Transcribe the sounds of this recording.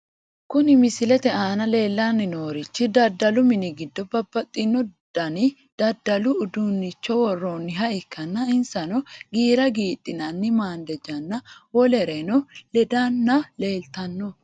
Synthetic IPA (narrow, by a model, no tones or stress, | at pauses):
kʊnɪmɪsɪlɛt̪ɛʔaːnɐle̞ːlːanːɪnoːɾɪt͡ʃːɪd̪ɐd̪ːɐlʊmɪnɪɡɪd̪ːɔbɐbɐt̪ʼːɪnːɔd̪̥ɐnɪ | d̪̥ɐd̪ːɐlʊːd̪unːɪt͡ʃːɔwɔrːoːnːɪɦɐʔɪkʰːɐnːɐɪnsɐnɔɡiːɾɐɡiːt̪ʼːɪnɐnːɪmaːnd̪ɛd͡ʒɐnːɐwɔlɛɾɛnɔlɛd̪anːɐle̞ːlt̪ɐnːɔ